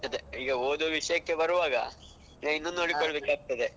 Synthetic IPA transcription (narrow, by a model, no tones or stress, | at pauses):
ɐd̪eiːɡɐoːd̪uʋiʂɐjɐkːe̞bɐɾuʋaːɡɐ̰ | ɐinːuːoːɽikoɭɐbeːkaːɡ̚t̪ɐd̪e